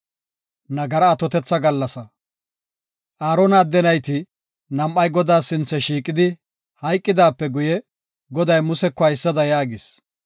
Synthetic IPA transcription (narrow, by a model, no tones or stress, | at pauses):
nɐɡɐɾɐːt̪ɔt̪ɛt͡sːɐɡɐlːɐsɐ | ʔaːɾɔnaːd̪ːɛnɐjt̪ɪ | nɐmʔɐjɡɔd̪aːsɪnt͡sːɛʃiːkʼɪd̪ɪ | hɐjkʼːɪd̪aːpːɛɡʊjɛ | ɡɔd̪ɐjmʊsɛkːɔɐjsːɐd̪ɐjaːɡɪs